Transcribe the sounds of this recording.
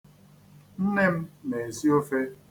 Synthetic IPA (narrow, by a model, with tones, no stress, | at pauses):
n̩˦ne˦m̩˦ne˨e˨si˦o˦fe˦